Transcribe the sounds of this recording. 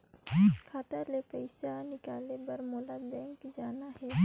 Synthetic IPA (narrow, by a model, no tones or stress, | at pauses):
kʰaːt̪əɾlepəɪʃanɪkaːlebɐɾmoːlabɛ̃ːŋkd͡ʒaːnaɦɛː